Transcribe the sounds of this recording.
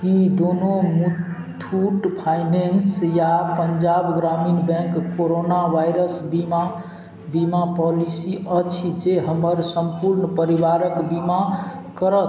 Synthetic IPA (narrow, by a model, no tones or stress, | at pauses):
kid̪onomut̪ʰː | uʈpʰajnensjapəɲd͡ʒabɡɾaminbɛ̃kːoɾonaʋajɾəsbima | bimapɔlisiət͡ʃʰid͡ʒeɦəməɾsəmpuɾnpəɾiʋaɾəkbimakəɾət̪